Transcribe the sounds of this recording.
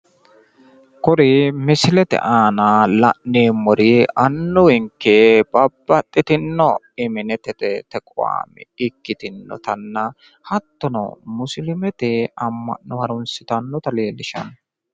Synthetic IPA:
kɔɾɪmɪsɪlɛt̪ɛ̰ʔaːnalɐʔːeːmːɔɾɪɐnːɔwɪŋkːeb̥ɐbːɐt̪ʼːɪt̪ɪnːɔ | ɪmɪnɛt̪ɛt̪ɛt̪ɛkʼɔwa̰ːmɛ̰ɪkːɪt̪ɪnːɔ̰t̪ɐnːɐ | hɐt̪ːɔnɔ̰mʊslɪmɛt̪ɛɐmːɐ̰nːɔhɐɾʊnsɪt̪ɐnːɔt̪ɐleːlːɪʃɐ̰n

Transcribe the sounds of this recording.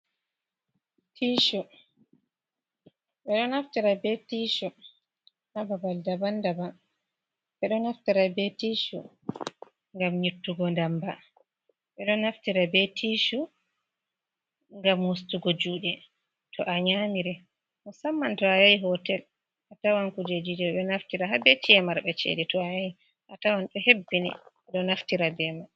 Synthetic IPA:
tʰiʃu | ɓɛɗɔnaftiɾabɛtiʃu | nababaldabandaban | ɓɛɗɔnaftiɾabɛtiʃṵ | ŋɡamɲutːuɡɔndamba | ɓɛɗɔnaftiɾabɛtʰiʃu | ŋɡamhostuɡɔd͡ʒuːɗɛ | tʰɔʔaɲamiɾɛ | mɔsamːantɔajaiɦɔtɛl | ʔatawankud͡ʒed͡ʒid͡ʒɛɓɛnaftiɾaɦabɛt͡ʃiɛmaɾɓɛt͡ʃḛditɔajaji | ʔatawanɗɔhebːinḭɓɛɗɔnaftiɾabɛma

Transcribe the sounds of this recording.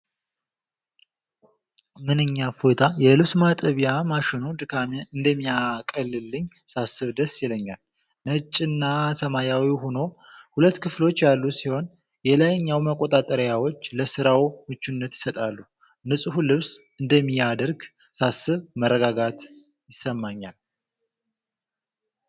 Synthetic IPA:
mɨnɨɲːafot̪ʰajɛlɨβsmat̪ʼəβjamaʃɪnud̪ɨkʰamʔɨnd̪əmːijakʼəlːɨlːɨɲː | sasːɨβd̪əsjɛləɲːal | nət͡ʃʼːɪnːasəmajawiɦono̞ | hulət̪ːkʰɨflo̞t͡ʃːjalːusiho̞n | jɛləjɲːawməkʼːo̞t̪ʼat̪ʼəɾjawo̞t͡ʃːləsɨɾawmɨt͡ʃːunːət̪jɪ̥sət̪ʼalːu | nɨsʼɨhulɨβs | ɨnd̪əmːijad̪əɾɡ | sasːɨβməɾːəɡaɡat̪ | jɪsːəmːaɲːal

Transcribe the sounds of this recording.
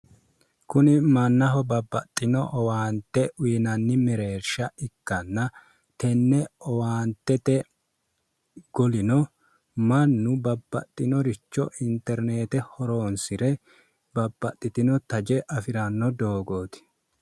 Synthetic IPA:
kʊnɪmɐnːɐɦɔbɐbːɐt̪ʼːɪnɔʔɔwaːnt̪ːɛwiːnɐnːɪmɛɾeːɾʃɐɪkːɐnːɐ | t̪ɛnːɛɔwaːnt̪ːɛt̪ɛ | ɡ̥ɔlɪnɔ | mɐnːʊbɐbːɐ̰t̪ʼːɪnɔɾɪt͡ʃːɔ̰ʔɪnt̪ɛɾneːt̪ɛhɔɾo̞ːnsɪɾɛ | bɐbːɐt̪ʼːɪt̪ɪnɔt̪ɐd͡ʒɛʔɐfɪɾɐnːɔd̪o̞ːɡo̞ːt̪ɪ̥

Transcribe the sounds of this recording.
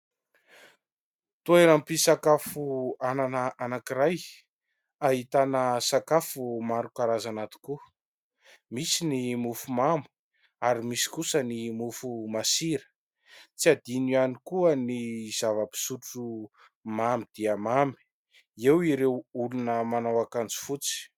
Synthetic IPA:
t̪uenampisakafuananəanakiɾaj | aɦit̪anəsakafumaɾukaɾazanat̪i̥ku | misinimufumamu̥ | aɾimisi̥kusənimufumasiɾə̥ | t͡siad̪inianikuəniz̥avəpi̥suʈ͡ʂu | mamid̪̥iamami̥ | ewiɾewulunəmanawakand͡zi̥fut͡si̥

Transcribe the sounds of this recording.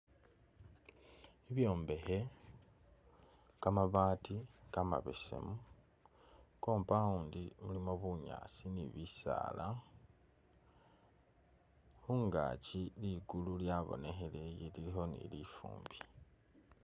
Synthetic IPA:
iβjo̞ːmbe̞he | kamaβaːtikama̰βe̞̰se̞̰mu | ko̞ːmpauːndimulimoβuɲa̰ːsiniβisa̰ːla | xuŋɡa̰ːciliɡululjaβo̞̰ne̞xe̞lejelilixo̞nḭlifṵːmbi

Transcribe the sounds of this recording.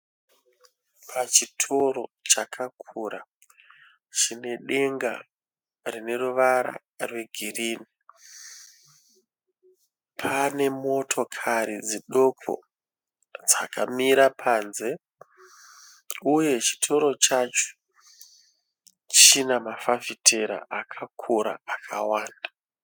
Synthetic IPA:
pʰat͡ʃitʰo̞ɾo̞t͡ʃakʰak̚ʰuːɾa | t͡ʃine̞ɗe̞ŋɡa̰ | rine̞ruʋaɾa̰ | rwe̞ɡʱiriːni | pʰane̞mo̞tʰo̞kʰaɾid͡ziɗo̞kʰo̰ | d͡zakʰamiɾapʰaːnze̞ | uje̞t͡ʃi̥tʰo̞ɾo̞t͡ʃat͡ʃo̥ | t͡ʃinamafafitʰeɾa̰ʔakʰakʰuɾa̰akʰa̰waːnda

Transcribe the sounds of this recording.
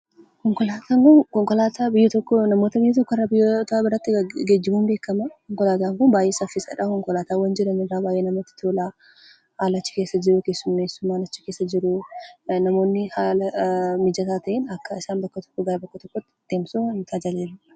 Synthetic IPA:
kɔŋkɔlaːt̪ʰaːŋkʊnkɔŋkɔlaːt̪aːbɪjːɛt̪ɔkːɔnɐmo̞ːt̪ɐbɪjːɛt̪ɔkːɔrːabɪjːt̪ɐbɪɾɐt̪ːɪɡeːd͡ʒːɪmuːmbe̞ːkːɐmɐkɔŋkɔlaːt̪aːŋkʊnbaːjʔeːsɐfɪsɐ̰ᶑɐkɔŋkɔlaːt̪aːwɐnd͡ʒɪɾɐnɪrːaːbaːjʔeːnɐmɐt̪ːɪ̥t̪ʰoːlaː | haːlɐːt͡ʃːɪ̥keːsːɐd͡ʒɪɾʊke̞ːsːʊmːeːsʊmːaːnɐt͡ʃːɪ̥keːsːɐd͡ʒɪɾʊnɐmo̞ːnːɪhaːlɐmɪd͡ʒɐt̪aːt̪ɐʔeːnɐkːɐɪsaːnbɐkːɐt̪ɔ̥kːɔɡɐɾɐbɐkːɐt̪ɔkːɔt̪ːɪ̥d̪̥eːmsunt̪ʰaːd͡ʒɐleːlʊ

